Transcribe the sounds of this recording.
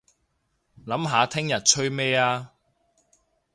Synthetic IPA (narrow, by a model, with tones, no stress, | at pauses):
lɐ˨˥mɦaː˨˧t̪ʰɪ˥ŋjɐ˨t̚t͡ʃʰɵ˥ɥmɛː˥aː˧